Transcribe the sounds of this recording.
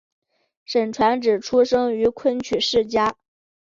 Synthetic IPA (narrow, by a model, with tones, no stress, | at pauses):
ʂə˨˩nʈ͡ʂʰwa˧˥nʈ͡ʂɻ̩˨˩ʈ͡ʂʰu˥ʂɤ˥ŋy˧˥kʰwə˥˩nt͡ɕʰy˨˩ʂɻ̩˥˩t͡ɕja˥